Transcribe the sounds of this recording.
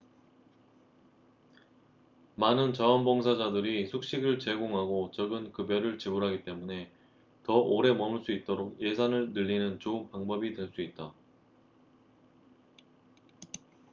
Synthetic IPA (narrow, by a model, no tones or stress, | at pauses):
manɯnt͡ɕaʌnbʌŋsʰad͡ʑadɯɾisʰuk̚ɕ͈iɡɯɭt͡ɕe̞ɡoŋɦaɡot͡ɕʌɡɯnkɯbjʌɾɯɭt͡ɕebuɾɦaɡit͈e̞mune̞ | tʌʔoɾe̞mʌmɯɭs͈uit̚t͈oɾoɡ̚je̞sʰanɯɭnɯʎːinɯnt͡ɕounpaŋbʌbidwe̞ɭs͈uit̚t͈a